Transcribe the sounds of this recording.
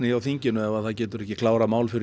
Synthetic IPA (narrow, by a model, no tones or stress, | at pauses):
nɪjawθiɲcɪnʏɛvaðθaðcɛːt̪ʏɾɛhçcːɪkʰlaːwɾamaːwlfɪɾɪ